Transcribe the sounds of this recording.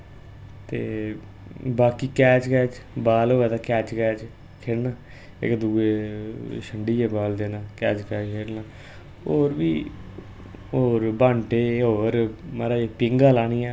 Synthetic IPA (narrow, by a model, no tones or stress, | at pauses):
t̪ḛː | baːkiːkɛːt͡ʃkɛːt͡ʃbaːlɦoːɛːt̪aːkɛːt͡ʃkɛːt͡ʃ | kʰeːɽnaː | ɪ̰kd̪uːeːʃʰəɳɖiːeːbaːld̪eːnãːkɛːt͡ʃkɛːt͡ʃkʰeːɽnaː | oːɾbiː | oːɾbãːɳʈeːɦoːɾməɾaːeːpɪŋɡaːlaːniːjãː